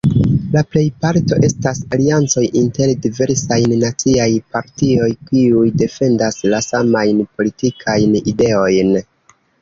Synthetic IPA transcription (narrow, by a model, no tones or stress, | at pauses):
laple̞jpaɾto̞ʔe̞stasaliant͡so̞jinte̞ɾdive̞ɾsajnːat͡siajpaɾtio̞jkiujde̞fe̞ndaslasamajnpo̞litikʰajnide̞o̞jn